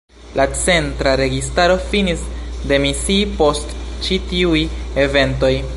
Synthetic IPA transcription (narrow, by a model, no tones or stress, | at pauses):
lʔat͡se̞ntɾaɾe̞ɡistaɾo̞finisde̞misiːpo̞stt͡ʃitiuje̞ve̞nto̞j